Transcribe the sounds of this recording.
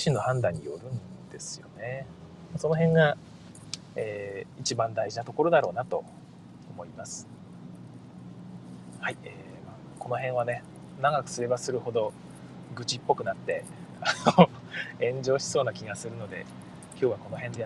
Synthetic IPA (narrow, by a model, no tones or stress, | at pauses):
iɕĩnːo̞hãnd̪ãɲ̟ːḭjo̞̰ɾɯ̟̃nd̪̥e̞sɨ̥jo̞̰ne̞ | maso̞no̞ɦẽ̞ŋɡa | eːit͡ɕibãnd̪aiʑinat̪o̞ko̞ɾo̞d̪aɾo̞̰ːnat̪o̞ː | mo̞imasɨ̥ | haieː | maː | ko̞no̞ɦẽ̞ɰ̃β̞ane̞ | naɡakɯ̟̥sɨɾe̞basɨɾɯ̟ho̞d̪o̞ | ɡɯ̟t͡ɕipːo̞kɯ̟nat̪ːe̞ano | ẽ̞ɲ̟d͡ʑo̞ːɕi̥so̞ːnakʲiɡasɨɾɯ̟no̞d̪e̞̰ | kʲo̞ːβako̞no̞ɦẽ̞nd̪e̞